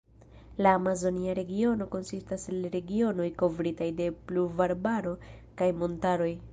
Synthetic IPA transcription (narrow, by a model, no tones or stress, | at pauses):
laːmazo̞niaɾe̞ɡio̞no̞ko̞nsistaselɾe̞ɡio̞no̞jko̞vɾitajde̞pluɾvaɾbaɾo̞ | kajmo̞ntaɾo̞j